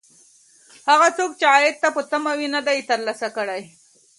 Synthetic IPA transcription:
haɣat͡sok̚t͡ʃeajɪt̪̚t̪ːapət̪amawinad̪ajt̪əɾlasakəɽaj

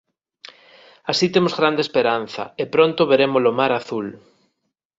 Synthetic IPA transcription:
asit̪emozɣɾand̪espeɾan̟θɐ̰epɾõnt̪oβeɾemozlomaɾaθul

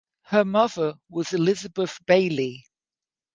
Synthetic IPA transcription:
həmʌðəwɒzɪlɪzəbəθb̥eɪli

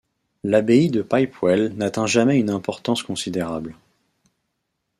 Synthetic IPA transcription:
labeid̪əpajpwɛlnat̪ɛ̃ʒamɛynɛ̃pɔʁt̪ɑ̃skɔ̃sid̪eʁabl

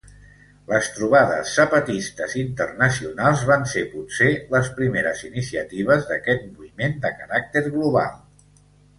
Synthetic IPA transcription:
ləst̪ɾuβ̞aðə̰sːəpət̪ist̪əzint̪ərnəsiunalˠzβansepuseləspɾimeɾəzinisiət̪iβ̞əzðəkɛt̪̚muimend̪əkəɾak̚t̪eɾɣluβ̞a̰lˠ

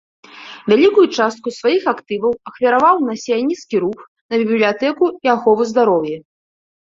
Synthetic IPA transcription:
vʲalʲikujut͡ʂast̪kusvajixakt̪ɨvɐwɐxfʲɐɾavawnɐsʲɛjanʲit̪skʲiɾux | nɐbʲibʲblʲijat̪ɛkuiaxɔvuzd̪aɾɔwjɛ

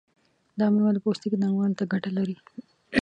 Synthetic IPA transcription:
d̪ɑmewald̪əpost̪ikinaɽiwɑlt̪aɡaʈalaɾi

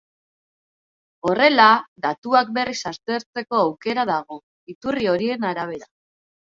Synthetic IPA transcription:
o̞re̞lad̪at̪uak̚be̞risast̪e̞ɾt͡se̞ko̞awke̞ɾaðaɣ̞o̞ | it̪urio̞ɾienaɾaβ̞e̞ɾa

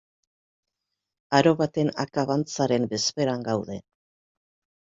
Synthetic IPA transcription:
aɾo̞βat̪e̞na̰kaβant͡saɾe̞mbe̞spe̞ɾaŋɡawðe̞

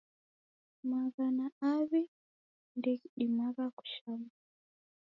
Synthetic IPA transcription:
maɣanaaβi | ndɛkiɗimaɣaku̥ʃama

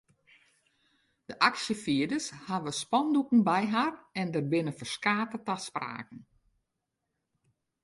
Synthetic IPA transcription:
d̥əʔaksjəfiədəshaʋəspɔndukn̩bɛjɦarɛndərbɪnəfərskaːtətaspra̰ːkən̩

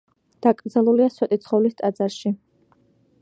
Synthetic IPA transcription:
d̪̥akʼɾd̪zalˠuliaswɛt̪ʼit̪sʰχɔvlist̪ʼad̪zaɾʃi

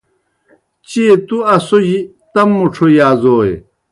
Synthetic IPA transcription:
t͡ɕit̪uɐsoʑi | t̪ɐmːuʈ͡ʂʰojaːzoːḛ

